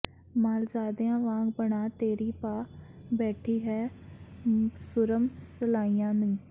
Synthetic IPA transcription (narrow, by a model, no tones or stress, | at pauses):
maːld͡ʒaːd̪eãːʋãːɡbəɳaːt̪eːɾiːpaːbɛːʈʰiːɦɛː | sʊɾəmsəlaːijãːnũː